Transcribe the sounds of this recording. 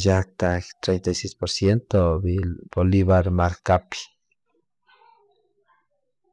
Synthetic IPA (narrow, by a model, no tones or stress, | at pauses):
jak̚t̪akt̪ɾejnt̪ajsejspoɾsjent̪oβiboliβaɾmaɾkapi̥